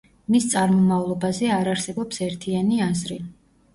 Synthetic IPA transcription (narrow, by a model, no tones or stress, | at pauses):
mist̪sʼaɾmɔmavlˠɔbazɛaɾaɾsɛbɔpsɛɾt̪ʰianiazɾi